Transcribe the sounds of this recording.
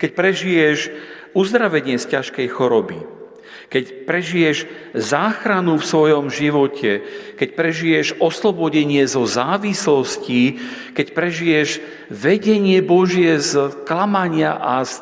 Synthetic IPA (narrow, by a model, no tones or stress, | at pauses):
kɛc̚pɾɛʒijɛʒ | uzd̪ɾaʋɛɲɪɛscaʃkɛjxɔɾɔbḭ | kɛcpɾɛʒijɛʒzaːxɾanufsʋɔjɔmʒiʋɔcʰɛkɛc̚pɾɛʒijɛʒɔslɔbɔɟɛɲɪɛzɔzaːʋislɔsci | kɛcpɾɛʒijɛʒ | ʋɛɟɛɲɪɛbɔʒɪjɛzklamaɲɪaʔas